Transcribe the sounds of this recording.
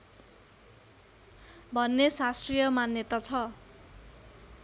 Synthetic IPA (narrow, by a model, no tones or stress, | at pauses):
bʱʌnːesastrijʌmanjʌt̪at͡sʰʌ